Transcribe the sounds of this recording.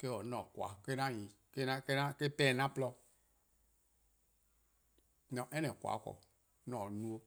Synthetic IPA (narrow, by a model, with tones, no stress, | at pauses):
ke˦wɔ˨˦nɔ̃˨kwa̰˨ke˦nã˦˨ɲĩ˨ | ke˦nã˦ke˦nã˦ke˦pɛ˦˨nã˦plɔ˦ | nɔ̃˨ʔɛ˦nɛ̃˨kwa̰˨˦kɔ̰˨ | nɔ̃˨nũ˦o˦